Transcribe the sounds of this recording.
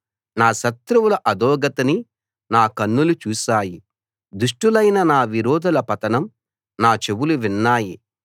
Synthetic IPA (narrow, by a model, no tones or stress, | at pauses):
naːʃɐt̪ɾuwulɐʔɐd̪ɔːɡɐt̪ɐni | naːkɐnːulut͡ʃuːʃaːji | d̪uʂʈulɐjnɐnaːʋiɾɔːd̪ʱɐlɐpɐt̪ɐnɐm | naːt͡ʃe̞ʋuluʋinːaːji